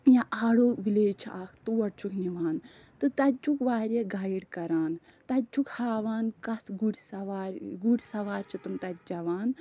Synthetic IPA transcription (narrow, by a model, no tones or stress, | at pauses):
jãʔaːɽoːʋileːt͡ʃʰaːkʰt̪uwɐɽt͡ʃʰukʰniʋaːn | t̪ɨt̪ɐt̪̚ʲt͡ʃʰukʋaːɾʲeɡaːjiɽkɐɾaːn | t̪ɐt̪̚t͡ʃʰukhaːʋaːnkɐsɡuɽʲsɐʋaːɾɡuɽʲsɐʋaːɾʲt͡ʃʰit̪umt̪ɐt̪̚ʲd͡ʒɐʋaːn